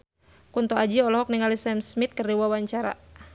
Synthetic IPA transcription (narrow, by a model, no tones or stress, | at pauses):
kunt̪ɔad͡ʒiɔlɔɦɔk̚niŋalisɛmsmit̪̚kərdiwawaɲt͡ʃaɾa̰